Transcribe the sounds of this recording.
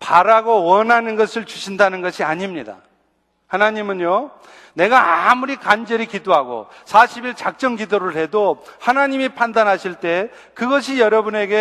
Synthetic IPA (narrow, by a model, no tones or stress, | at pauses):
paɾaɡowʌnɦanɯnɡʌsʰɯɭt͡ɕuɕʰindanɯnɡʌɕʰiaɲimɲida̰ | hanaɲimɯnjo | ne̞ɡaamuɾikand͡ʑʌɾikidoɦaɡo̰sʰaɕʰibiɭt͡ɕak̚t͡ɕ͈ʌŋɡidoɾɯɭhe̞dohanaɲimipʰandanɦaɕʰiɭt͈e̞ | kɯɡʌɕʰijʌɾʌbune̞ɡe̞